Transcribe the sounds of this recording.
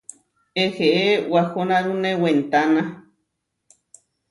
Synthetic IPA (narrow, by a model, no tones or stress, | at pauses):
eheʔewaxonaɾunẽwent̪ana